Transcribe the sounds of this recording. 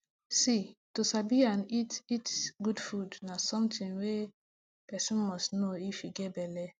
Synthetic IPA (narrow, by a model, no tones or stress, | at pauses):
sitosabianititɡudfudnasɔ̃mtɪ̃ŋwe | pɛsɔ̃nmɔstnoifiɡebɛle